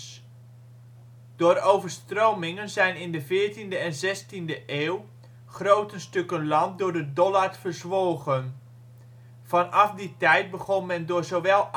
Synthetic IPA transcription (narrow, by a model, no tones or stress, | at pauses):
d̥oːɾowvəɹstrowmɪŋənzɛjnɪndəvɪːɹtindəɛnzɛstindəʔeːw | χrowtənstɵkənlɑmp̚dʊːɹdədɔlaɹfəɹzʋoːɣən | v̥ɑnɑfditɛjt̚bəχɔnmɛndʊːɹzowʋɛlˠ